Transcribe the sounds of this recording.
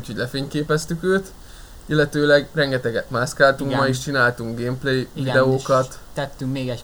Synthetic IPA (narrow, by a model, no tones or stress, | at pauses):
ucʰho̞ɟlɛfeːɲkeːpɛst̪ykøːt̪ | ilːɛt̪øːlɛɡrɛŋɡɛt̪ɛɡɛt̪maːskaːlt̪uŋkmɒiʃt͡ʃinaːlt̪uŋkɡeːmpleːjvid̪ɛoːkɒt̪t̪ɛt̪ːyŋkmeːɡɛ